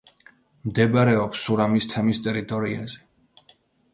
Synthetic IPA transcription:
md̪ɛbaɾɛɔpsuɾamist̪ʰɛmist̪ʼɛɾit̪ʼɔɾia̰z̥ɛ

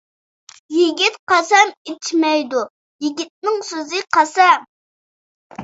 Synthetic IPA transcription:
jiɡʲit̪qɑsɛmet͡ʃʰmɛjd̪u | jiɡʲit̪̚nɪŋsøzɨqʰɑsɛm

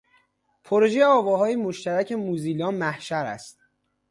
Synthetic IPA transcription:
pʰoɾo̞ʒejeɒːvɒːɦɒːjemoʃt̪ʰæɾæcʰe̞muːziːlɒːmæhʃæɾæ̰st̪̚

